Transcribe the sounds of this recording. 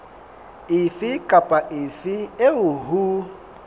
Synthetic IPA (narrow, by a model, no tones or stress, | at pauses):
ɪfɪkʼapʼaʔɪfɪeʊɦu